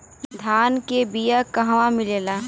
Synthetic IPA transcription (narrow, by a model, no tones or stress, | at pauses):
d̪ʱaːnkebijakɐɦʋãmɪleːlaː